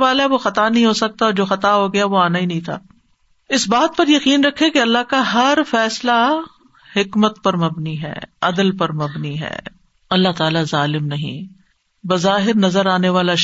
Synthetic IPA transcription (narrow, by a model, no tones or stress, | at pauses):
ʋaːlaɦɛʋoxɐt̪anɐɦĩɦosɐk̚t̪aɔːɾd͡ʒoːxɐt̪aɦoɡɐjaʋoaːnaɦinɐɦĩt̪ʰa̰ː | ɪsbaːt̪̚pɐɾjɐqiːnɾɐkʰːẽkeɐlːaɦkaɦɐɾfɛːsla | hɪkmət̪pɐɾmɐbniɦɛ̰ːɐd̪əlpɐɾmɐbniɦɛ̰ː | ɐlːaɦt̪aːlazaːlɪmnɐɦḭ̃ː | bɐzaːɦɪɾnɐzəɾaːneʋaːla